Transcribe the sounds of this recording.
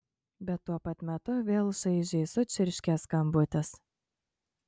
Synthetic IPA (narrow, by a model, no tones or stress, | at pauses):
bʲɛt̪ːuɔpɐt̪mʲɛt̪ʊʋʲeːlˠʃɐɪʒʲɛɪsʊt͡ʃʲɪɾʲʃʲkʲɛskɐmbʊt̪ʲɛs